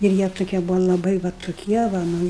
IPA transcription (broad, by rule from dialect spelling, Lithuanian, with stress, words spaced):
ɪr ˈjiɛ tʊˈkʲiɛ ˈbʊʋoː lˠɐˈbɐɪ ʋɐ tʊˈkʲiɛ ʋɐ ˈnʊ